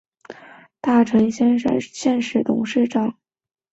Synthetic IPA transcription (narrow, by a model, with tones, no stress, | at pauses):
t̪a˥˩ʈ͡ʂʰɤ˧˥ŋɕɕjɛ˥˧nʂɻ̩˥˩t̪ʰʊ̰˧˥ŋʂɻ̩˥˧ʈ͡ʂɑ˥˩ŋ